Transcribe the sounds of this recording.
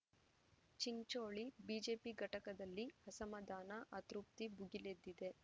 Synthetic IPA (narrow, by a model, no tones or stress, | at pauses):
t͡ʃiɲt͡ʃoːɭibiːd͡ʒe̞ːpiɡʱɐʈɐkɐd̪ɐlːihɐsɐmɐd̪aːnɐʔɐt̪ɾup̚t̪ibuɡiled̪ːid̪e̞